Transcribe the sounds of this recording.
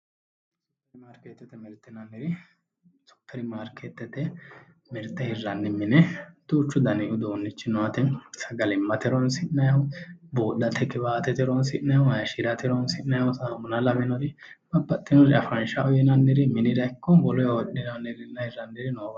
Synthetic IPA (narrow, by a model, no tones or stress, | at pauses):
sɔ̥kːɐɾɪmaːɾkɛt̪ːɛt̪ːɛmɛɾt̪ːɛnɐnːɪɾɪ | sɔ̥kːɐɾɪmaːɾkʰɛt̪ːɛt̪ːɛ | mɛɾt̪ːɛhɪrːɐnːɪmɪnɛt̪ʊːt͡ʃːʊd̪ɐnɪʔʊd̪oːnːɪt͡ʃːɪnɔwɐt̪ɛsɐɡɐlɪmːɐt̪ɪɾɔnsɪnːɐjɐwʊboːdɐt̪ʰːɛkːɪβaːt̪ɛt̪ɛɾɔnsɪnːɐjɐʊɐjɐʃɪɾɐt̪ɪɾɔnsɪnːɐjɐʊsaːmʊnɐlɐbɛnɔd̪ɪ | bɐbːɐt̪ʼːɪnɔdɪɐfɾɐnʃɐʔɔjɛnɐnːɪɾɪmɪnɪd̪ɐkːɔbɔlɔjɔɗɪnɐnːɪɾɪnːɐhɪɾːɐndɪɾɪnob